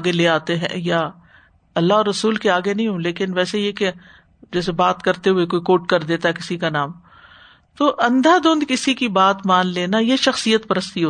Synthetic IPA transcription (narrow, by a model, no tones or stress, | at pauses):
aːɡeleːaːt̪eɦɛ̰̃ja | ɐlːaɦɔːɾːɐsuːlkeaːɡenɐɦĩɦõːleːkɪnʋɛːsejeke | d͡ʒɛːs̬ebaːt̪kɐɾt̪eɦʊekoːikoːʈkɐɾd̪eːt̪aɦɛkɪsikanaːm | t̪oːʔɐ̃nd̪ad̪õːnd̪kɪsikibaːt̪maːnleːnajeʃɐxsijət̪pɐɾəst̪iɦoː